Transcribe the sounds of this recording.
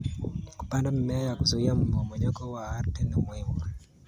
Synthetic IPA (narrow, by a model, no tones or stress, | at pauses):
ku̥pandam̩mɛajakuzuiam̩bɔmɔɲɔkɔwaaɾtɛnimwɛwɔ